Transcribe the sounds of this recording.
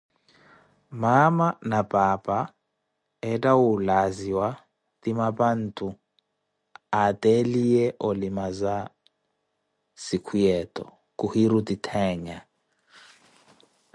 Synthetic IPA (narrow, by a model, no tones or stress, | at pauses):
mamanapʼapʼa | ɛtʼawulaziwa | tʼimapʼan̩tʰʼu | atʼɛliɛʔɔlimaza | sikʰujɛtʼɔ̰ | kʼuhiɾutʼitʰɛːɲa